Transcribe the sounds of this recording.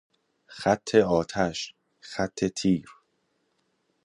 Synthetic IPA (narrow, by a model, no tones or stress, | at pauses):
xæt̪ʰːe̞ɒːt̪ʰæʃ | xæt̪ʰːe̞t̪ʰiːɾ